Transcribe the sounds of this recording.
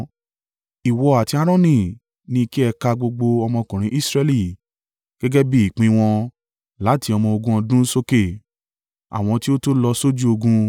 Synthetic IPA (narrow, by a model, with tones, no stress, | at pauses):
i˨wɔ˧a˨ti˨˧a˧ɾ̃ɔ̃˦nĩ˦˨ | nĩ˧ki˦ɛ˧ka˧ɡ͡bo˧ɡ͡bo˧ɔ˧mɔ̃˧kũ˨ɾ̃ĩ˨˦ʔi˦˨sɾɛ˧li˦˨ | ɡ̥ɛ˦ɡɛ˦bi˦i˨k͡pĩ˧w̃ɔ̃˧ | la˨˦ti˧ɔ˧mɔ̃˧o˧ɡũ˦ɔ̃˧dũ˦so˦ke˦˨ | a̰˨w̃ɔ̃˧ti˦o˦to˦lɔ˧so˦d͡ʒu˦o˧ɡũ˧